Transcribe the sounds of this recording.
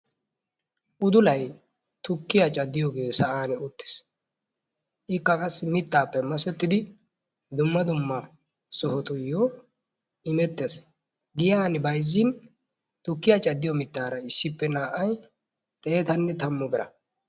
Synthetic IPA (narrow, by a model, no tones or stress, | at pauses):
ʔʊd̪ʊlɐj | t̪ʊkːɪjat͡ʃʼɐd̪ːɪjoɡeːsɐʔaːnɛʊt̪ːɪ̥s | ʔɪkːɐkʼɐsmɪt̪ːaːpːɛmɐsɛt̪ːɪd̪ɪ | d̪ʊmːɐd̪ʊmːɐ | sɔhɔt̪ʊjo | ɪmɛt̪ːes | ɡɪjaːnɪbɐjzːɪn | t̪ʊkːɪjat͡ʃʼɐd̪ːɪjɔmɪt̪ːaːɾɐɪsːɪpːɛnaːʔɐj | t̪ʼeːt̪ɐnːɛt̪ɐmːɔbɛɾɐ̰